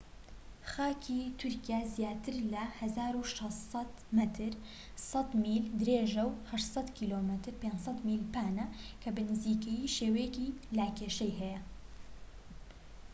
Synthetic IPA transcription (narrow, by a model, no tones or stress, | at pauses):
xaːkʰiːt̪ʰʊɾkijaːzijaːt̪ʰɨɾlɐhɐzaːɾuʃɑst̪sɑt̪mɐt̪ʰɨɾ | sɐt̪miːld̪ɨɾeːʒɐwhɐʃt̪sˤɑt̪kʰiːloːmɐt̪ʰɨɾpeːnsɐt̪miːlpaːnɐkʰɐbɨnɨziːkɛjiːʃeːweːkiːlaːkeːʃɛjɦɛjɛ